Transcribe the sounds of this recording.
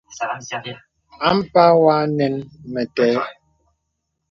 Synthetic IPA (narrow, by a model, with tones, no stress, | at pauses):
a˦m̩˦pa˦wa˦nɛ˨nmɛ˨tɛː˦